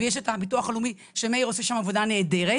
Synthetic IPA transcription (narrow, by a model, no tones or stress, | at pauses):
jeʃ̬etapituaχalumi | ʃemejʁo̞seʃamavo̞dane̞ːde̞ʁe